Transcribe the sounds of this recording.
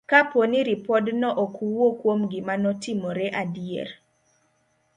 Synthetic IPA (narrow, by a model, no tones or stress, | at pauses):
kaponiɾipɔdnɔʔokuwokwomɡɪmanɔtɪmoɾɛʔadjḛr